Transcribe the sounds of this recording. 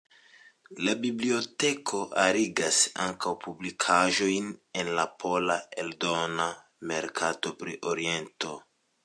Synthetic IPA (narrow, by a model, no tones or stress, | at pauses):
labiblio̞tekʰo̞ʔaɾiɡasa̰ŋkawpublikʰaʒo̞jnenlapʰo̞laeldo̞na | me̞ɾkʰato̞pɾḭʔoɾie̞nto̞